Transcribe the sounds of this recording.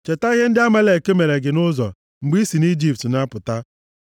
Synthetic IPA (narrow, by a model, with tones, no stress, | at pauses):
t͡ʃe˨ta˦i˦ɦe˦n̩˦dɪ˦a˦ma˦le˨ke˦me˨ɾe˨ɡɪ˨nʊ˦zɔ̰˨ | ŋ͡m̩˨ɡ͡bi˦si˨ni˦d͡ʒi˨p̚tna˦pʊ˨ta˦